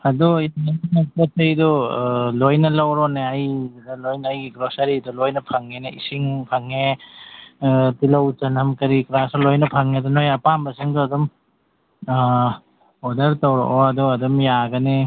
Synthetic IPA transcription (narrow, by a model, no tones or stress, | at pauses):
ɐdɔjanninakɐtɐjdɔlojnɐlɐwɾɔneɐjdɐlojnɐjɡiɡɾosɐɾidɔlojnɐpʰaŋːeneḭsiŋpʰaŋe | tilɐwt͡ʃɐnɐmkɐɾikɾasɔlojnɐpʰaŋedɔnojapambɐsiŋdoɐdɔm | ɔdɐɾtɐwɾɔ̰ʔɔɐdɔɐdɔmjaɡɐne